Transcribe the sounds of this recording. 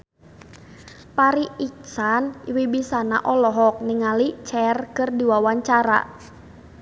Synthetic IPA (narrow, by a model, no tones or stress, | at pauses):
paɾiiksaniwibisana̰ʔɔlɔɦɔk̚niŋalit͡ʃɛrkərdiwawaɲt͡ʃaɾa̰